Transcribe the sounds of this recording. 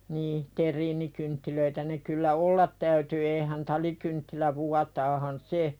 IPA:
niː terˑiːnikyntːiløitæ ne kylːæ olːɑt tæyty eːhæn tɑlikyntːilæ ʋuɑtɑːhɑn se

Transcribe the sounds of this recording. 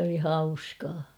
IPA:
oli hɑuskɑː

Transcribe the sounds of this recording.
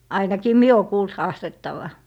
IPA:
ɑinɑkiː mie o kuːlt hɑːstetːɑʋɑ

